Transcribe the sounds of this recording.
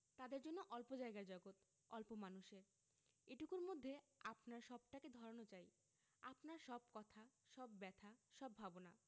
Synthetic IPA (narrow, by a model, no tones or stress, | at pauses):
t̪ad̪eɾd͡ʑonːoʔɔlpod͡ʑaeɡaɾd͡ʑɔɡot̪ | ɔlpomanuʃeɾ | eʈukuɾmod̪ʱːeapnaɾʃɔb̚ʈaked̪ʱɔɾonot͡ɕaj | apnaɾʃɔb̚kɔt̪ʰaʃɔbːɛt̪ʰaʃɔbːʱabona